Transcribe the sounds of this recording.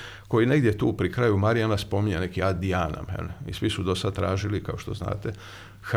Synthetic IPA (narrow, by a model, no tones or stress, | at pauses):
ko̞jine̞ɡd̪jet̪uːpɾikɾaːjumaɾianaspo̞miɲenekiad̪iaːna̰mḛnisʋisud̪o̞sad̪̚t̪ɾaːʒilikaoʃt̪o̞zna̰ːt̪e